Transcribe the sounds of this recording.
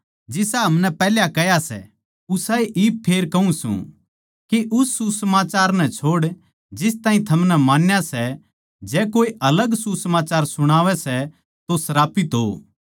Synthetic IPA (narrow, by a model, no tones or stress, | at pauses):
d͡ʒɪsɛɦɐmnɛpɛːljakɛjasɛ̰ | ʊsaːeʔippʰːeːɾkɐũsṵ̃ | kiʔʊsːusəmaːt͡ʃaːɾnɛt͡ʃʰoːɽ | d͡ʒɪs̬t̪ãːɦĩt̪ʰɐmnɛmaːnjasɛ | d͡ʒɛːkoːiʔɐləɡsusɐmaːt͡ʃaːɾsʊɽ̃aːʋɛsɛ | t̪osɐɾaːpɪt̪ɦo̰ː